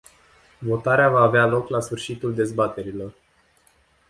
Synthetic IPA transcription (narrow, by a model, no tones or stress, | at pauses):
vo̞t̪aɾeavaːvealo̞klasfɨrʃit̪uld̪e̞zbat̪e̞ɾilo̞r